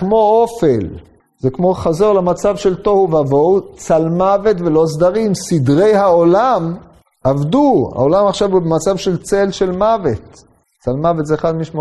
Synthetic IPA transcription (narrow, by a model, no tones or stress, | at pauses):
kmo̞ofel | zekmo̞χazo̞ʁlemat͡savʃelt̪o̞huvavo̞wt͡salmavet̪velo̞sd̪aʁimsid̪ʁe̞jhaolam | avd̪ua̰olamaχʃavubemat͡savʃe̞lt͡se̞lʃe̞lmavet̪ | t͡salmavet̪zeχad̪miʃmo